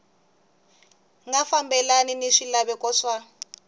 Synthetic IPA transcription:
ŋɡafambɛlaniniʂilaβɛkʼɔʂwa

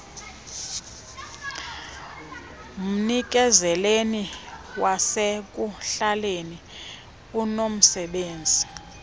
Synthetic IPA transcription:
m̩nik̬ʼɛzɛleniwasek̬ʼuɬaleni | unom̩sɛɓeːnd͡zʱi

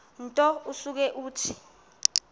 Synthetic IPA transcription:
n̩tʼɔusuk̬ɛʔuːtʰi̥

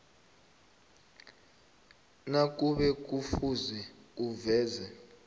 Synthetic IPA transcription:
nak̬ʼuɓɛk̬ʼufuzɛuvɛːzɛ

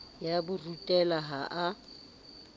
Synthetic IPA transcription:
jabʊrutʼɛlaɦaʔa

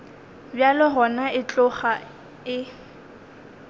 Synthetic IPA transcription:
bjalɪɦɔnaɪt͡ɬʼʊχa | ɪ

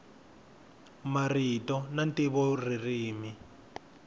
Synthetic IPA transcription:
maritɔnantiβɔririːmi

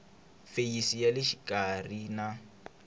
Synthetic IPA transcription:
feisijalɪʃi̥kʼarina

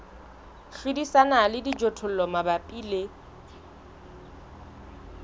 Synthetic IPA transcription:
χidisanalɪdid͡ʒɔtʰʊlɔmabapʼiːle

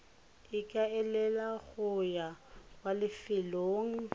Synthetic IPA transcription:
ɪkʼaɛlɛlaɣʊjakwalɪfɪloːŋ̩

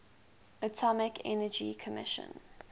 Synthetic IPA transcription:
ətʰɔmɪkʰɛ̰nəd͡ʒḭkʰəmɪʃə̰̃n

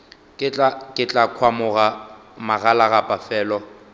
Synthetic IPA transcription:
kʼɪt͡ɬʼakʼɪt͡ɬʼakʰwamʊɣa | maɣalaɣapʼafɛːlɔ

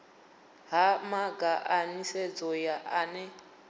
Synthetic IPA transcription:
ɦamaɡaʔanised͡zʼɔjaʔanɛ

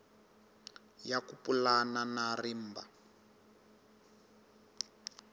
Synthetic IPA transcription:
jakupulananarim̩ːba̰

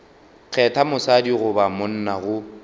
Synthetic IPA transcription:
k͡xʰɛtʰamʊsadiɣʊbamʊn̩naɣʊ

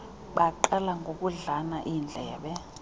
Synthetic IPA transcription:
ɓaǃalaŋɡʱok̬ʼuɮanaʔind͡ɮʱɛja̰ɓɛ

